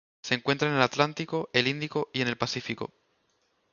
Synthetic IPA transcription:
se̞ŋkwe̞nt̪ɾaene̞lat̪lant̪ikoʔe̞lĩnd̪ikoie̞nelpasifiko̞̰

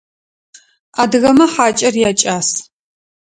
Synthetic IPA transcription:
aːdɨɣɐmɐħaːt͡ʃʼɐrjaːt͡ʃʼaːs

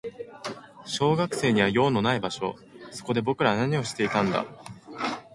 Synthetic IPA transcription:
ɕo̞ːɡakɯ̟̥se̞ːɲ̟iβajo̞ːno̞naibaɕo̞̰ | so̞̥ko̞d̪e̞bo̞kɯ̟ɾaanaɲ̟io̞ɕi̥t̪e̞it̪ãnd̪a̰

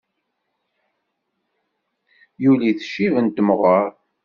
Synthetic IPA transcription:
juliθə̥ʃːivənt̪əmʁəɾˤ

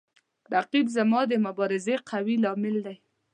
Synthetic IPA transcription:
ɾaqibzamɑd̪əmʊbɑɾɪzeqʰawilɑmɪld̪aj

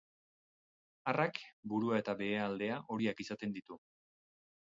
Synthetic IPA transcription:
arakbuɾuae̞t̪aβe̞ːald̪e̞aʔo̞ɾiakisat̪e̞nd̪it̪u

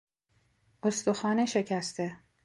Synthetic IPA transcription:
ost̪oxɒːneʃe̞cʰæst̪ʰe̞

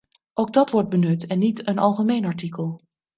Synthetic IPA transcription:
ʔowɡ̚dɑtʋɔɹd̚bənɵtɛnːitənɑlˠχəmejnɑɹtikəlˠ

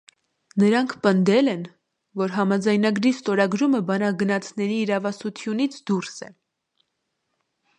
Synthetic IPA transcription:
nəɾɑŋkʰpənd̪ɛlɛn | vɔɾɦɑmɑd͡zɑjnɑɡɾist̪ɔɾɑɡɾuməbɑnɑɡənɑt͡sʰnɛɾiːɾɑvɑsut̪ʰjunit͡sʰd̪uɾsɛ̰

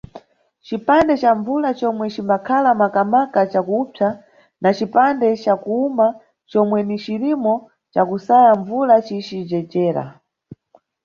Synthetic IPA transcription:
t͡ʃipandɛt͡ʃaɱvulat͡ʃɔmwɛt͡ʃimbakʰalamakamakat͡ʃakupʰa | nat͡ʃipandɛt͡ʃakuuma | t͡ʃɔmwɛnit͡ʃiɾimɔ | t͡ʃakusajaɱvulat͡ʃit͡ʃid͡ʒɛd͡ʒɛːɾa̰

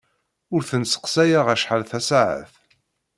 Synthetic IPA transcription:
ʊɾθənsə̥qsæjaʁæʃħəlθæsaʕə̰θ

